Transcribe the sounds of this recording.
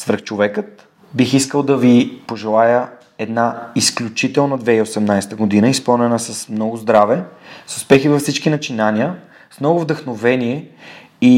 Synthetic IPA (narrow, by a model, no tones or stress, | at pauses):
svɾ̩xt͡ʃovɛkət̪ | bixiskəlˠd̪ɐvipoʒɛlˠajə | ɛd̪naisklʲut͡ʃit̪ɛlˠnɐd̪vɛiosɛmnajst̪əɡod̪inəispəlˠnɛnəsɐsmnɔɡʊzd̪ɾavɛsʊspɛxivɐfsit͡ʃkinɐt͡ʃinanʲiə | smnɔɡʊvd̪əxnovɛnʲiɛ | i